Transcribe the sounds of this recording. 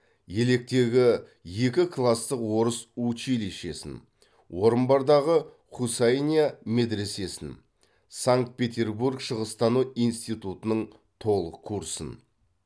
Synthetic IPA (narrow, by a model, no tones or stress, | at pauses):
je̞le̞k̚t̪e̞ɡʲɪ | je̞kʲɪkʰlˠast̪əqwo̞ɾəsut͡ʃileʃe̞sɪ̰n | wo̞ɾənbɑɾd̪ɑʁə | χusajnʲijame̞d̪ɾe̞se̞sɪn | saŋk̚t̪̚pʲe̞t̪ʲe̞rburkʃəʁəst̪ɑnuijnst̪ijt̪ut̪ənəɴ | t̪ʰo̞lˠəqʰːuɾsə̰n